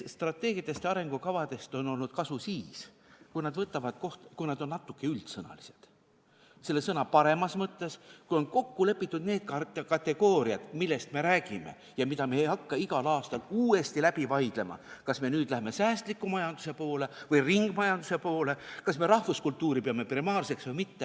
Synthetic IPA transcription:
st̪rɑt̪ːˑe̞ːɡ̥ijɑt̪ːˑe̞st̪ɑɾe̞ŋɡ̥ukɑvɑd̪e̞st̪o̞no̞lnud̪̥̚kɑsusiːs | kujnɑd̪̥vɤt̪ːˑɑvɑd̪̥̚ko̞ht̪kujnɑd̪o̞nːɑt̪ːˑukːe̞ylt̪sɤnɑ̰lise̞̥d̪̥ | se̞lːesɤnɑpɑɾe̞mɑsmɤt̪ːe̞skujo̞nko̞kːule̞pːˑit̪ːˑud̪̥ne̞ːd̪̚kɑt̪kɑt̪e̞ɡ̥o̞ːɾiɑd̪̥milːe̞st̪me̞ɾæːɡ̥ime̞̰ | jɑmit̪ɑme̞ejɑkːɑiɡɑlɑːst̪ɑluːe̞st̪ilæb̥ivɑjd̪̥le̞mɑ̰kɑsme̞nyːd̪læheme̞sæːst̪likːˑumɑjɑnd̪̥use̞po̞ːle̞vɯjriŋɡ̥mɑjɑnd̪̥use̞po̞ːle̞kɑsme̞ɾɑhvuskult̪ːˑuːɾipeɑme̞primɑːrse̞ksvɯjmit̪ːe

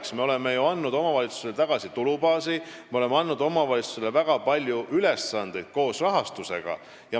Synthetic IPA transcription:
ksme̞o̞le̞mːejuɑnːud̪o̞mɑvɑlit̪su̥selt̪ɑɡ̥ɑsit̪ulubɑːsimeole̞mːeɑnːud̪̥o̞mɑvɑlʲit̪su̥selːevæɡ̥ɑpɑlʲjuʔylesːɑnd̪e̞jd̪̥̚ko̞ːsrɑɦɑst̪use̞̰ɡ̥ɑ̰ | jɑ

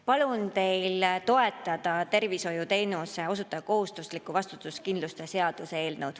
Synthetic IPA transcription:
pɑlunt̪e̞jlt̪o̞e̞t̪ːˑɑd̪̥ɑt̪e̞rviso̞jut̪e̞jnuseo̞sut̪ːˑɑd̪ɑko̞ɦust̪uslikːˑuvɑst̪u̥t̪ːˑuskind̪lust̪ese̞ɑd̪̥usee̞ːlnəwd̪̥

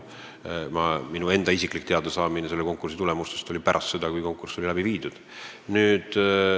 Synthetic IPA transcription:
mɑminue̞nd̪̥ɑis̬ikˑlikːt̪eɑd̪esɑːmineselːeko̞ŋkːˑursit̪ulemust̪est̪o̞lʲipæɾʔɑ̰st̪se̞d̪ɑkujko̞ŋkːˑurso̞lʲilæbiviːd̪̥ud̪̥ | nyːd̪̥

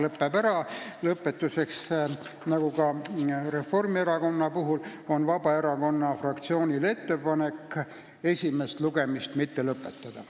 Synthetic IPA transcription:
lɤpːebæɾɑlɤpːˑe̞t̪ːˑuse̞ks | nɑɡ̥ukɑre̞fːo̞rmie̞ɾɑko̞nːɑpuɦulo̞nvɑbɑe̞ɾɑko̞nːɑfrɑkt̪sio̞ːnʲile̞t̪ːe̞pɑne̞kː | e̞sʲime̞st̪luɡe̞mist̪mit̪ːe̞lɤpːˑe̞t̪ːɑd̪̥ɑ

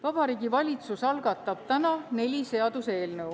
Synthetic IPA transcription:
vɑb̥ɑɾiːɡivɑlʲit̪susɑlɡ̥ɑt̪ˑːɑb̥̚t̪ænɑne̞lʲise̞ɑd̪̥use̞ːlnew

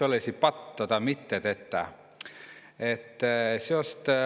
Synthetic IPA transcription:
olesipɑt̪ːt̪ːot̪ɑmit̪ːet̪et̪ːæ̰ | et̪ːsost̪

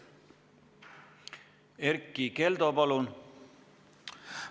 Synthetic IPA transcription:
eɾkːˑikeld̪opɑlun

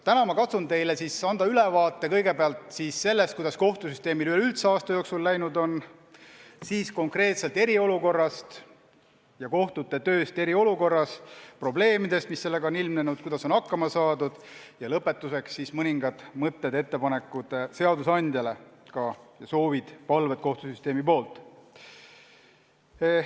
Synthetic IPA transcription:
t̪ænɑmɑkɑt̪sunt̪e̞jlesisɑnd̪̥ɑylevɑːt̪ːˑe̞kɤjɡe̞beɑlt̪ˑsisːe̞lːest̪̚kujd̪ɑsko̞ht̪usyst̪e̞ːmilyhelylt̪seɑːst̪ɑjo̞ːksulːæjnud̪o̞n | siːsko̞ŋkre̞ːt̪se̞lt̪e̞ɾio̞luko̞rːɑst̪ | jɑko̞ht̪ut̪ːe̞t̪ø̞ːst̪e̞ɾio̞luko̞rːɑspro̞ble̞ːmid̪̥e̞st̪misːe̞lːe̞ɡɑonilmnenud̪̥̚kujd̪̥ɑso̞nhɑkːɑmɑsɑːd̪ud̪̥jɑlɤpːˑe̞t̪ːuse̞ksːismɤnʲiŋɡɑd̪̥mɤt̪ˑːe̞d̪e̞t̪ːe̞pɑnekːˑud̪̥ese̞ɑd̪usɑnʲd̪̥jɑle̞kɑjɑso̞ːvid̪̥pɑlvet̪̚ko̞ht̪usyst̪e̞ːmipo̞ːlt̪ːˑ

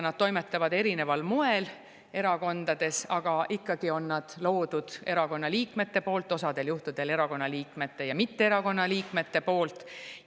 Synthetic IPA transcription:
nɑd̪̥t̪o̞jmet̪ːˑɑvɑd̪e̞ɾine̞vɑlmoe̞l | e̞ɾɑko̞nd̪ɑd̪̥e̞sɑɡ̥ɑʔikːɑɡ̥io̞nːɑd̪̥lo̞ːd̪̥ud̪̥e̞ɾɑko̞nːɑliːkme̞t̪ːe̞po̞ːlt̪ːˑo̞sɑd̪̥e̞ljuht̪ud̪̥e̞le̞ɾɑko̞nːɑliːkme̞t̪ːe̞jɑmit̪ːeeɾɑko̞nːɑliːkme̞t̪ːe̞po̞ːlt̪ˑ

